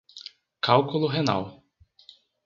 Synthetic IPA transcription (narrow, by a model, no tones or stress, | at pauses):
kawkʊlʊɦena̰w